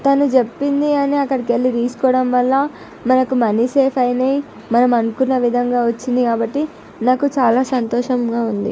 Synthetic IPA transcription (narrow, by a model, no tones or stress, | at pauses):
t̪ɐnut͡ʃe̞pːind̪iɐniɐkːɐɽikelːiɾiːskɔːɽɐmʋɐlːɐ | mɐnɐkumɐniseːpʰɐjnei | mɐnɐmɐnukunːɐʋid̪ʱɐŋɡaːʋɐt͡ʃːind̪ikaːbɐʈːi | naːkut͡ʃaːlaːsɐnt̪ɔːʂɐmɡaːund̪ḭ